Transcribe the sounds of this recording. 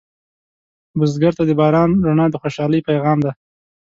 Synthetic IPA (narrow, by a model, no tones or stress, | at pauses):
bʊzɡaɾt̪ad̪əbɑɾɑnɾonɑd̪əxoʃɑləjpajɣɑmd̪a